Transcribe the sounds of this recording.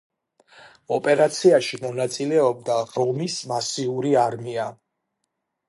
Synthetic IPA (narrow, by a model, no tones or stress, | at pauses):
ɔpʼɛɾat̪sʰiaʃimɔnat̪sʼilɛɔb̚d̪aɾɔlmismasiuɾiaɾmia